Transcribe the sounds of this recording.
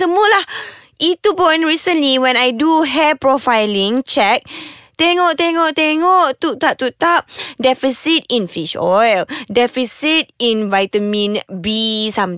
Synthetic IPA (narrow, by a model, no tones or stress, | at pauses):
səmulahʔit̪upɔ̃j̃nɹisə̃nliwɛ̃najduɦɛpɹɔfajlĩŋt͡ʃɛk̚t̪eŋɔʔt̪eŋɔʔt̪eŋɔʔt̪ut̪ap̚t̪ut̪ap̚dɛfisit̪̚ĩnfiʃɔjldɛfisit̪̚ĩnvajt̪əmĩnbisam